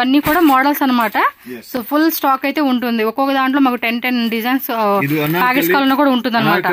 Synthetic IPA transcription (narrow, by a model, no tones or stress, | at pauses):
ɐnːiːkuːɽaːmɔːɽɐlsɐnːɐmaːʈɐsoːpʰulsʈaːkɐjt̪e̞ːuɳʈund̪iɔkːɔːkɐd̪aːɳʈloːmaːkuʈenʈenɖizɐjns | paːkeːd͡ʒkaːlɐnɐkuːɽaːuɳʈund̪ɐnːɐmaːʈɐ